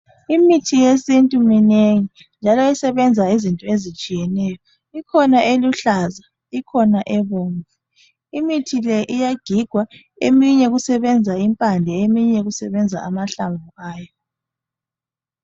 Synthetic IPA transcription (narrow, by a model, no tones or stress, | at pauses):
imitʰijesintʼumineŋi | nd͡ʒʱalɔɛsɛβɛnd͡zʱaizintʼɔezit͡ʃʼijɛnɛːjɔ | ikʰɔnaʔeluɬaza | ikʰɔnaʔɛβoːŋvɛ | imitʰilɛʔijaɡ̥ʱiɡ̥ʱwa | emiɲɛɣusɛβɛnd͡zʱaimpʼandʱɛemiɲɛɣusɛβɛnd͡zʱa̰amaɬambʱuʔaːjɔ